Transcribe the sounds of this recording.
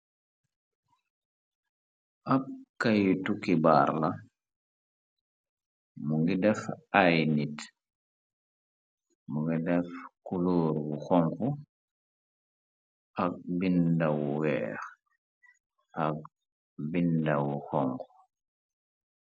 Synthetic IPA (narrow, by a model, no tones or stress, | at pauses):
ʔakːajtukibaːɾla | muŋɡidɛfʔajnit | muŋɡidɛfkuloːɾwuxɔŋku | ʔak̚bindawuwɛ̰ːx | ʔak̚ | bindawuxɔŋku̥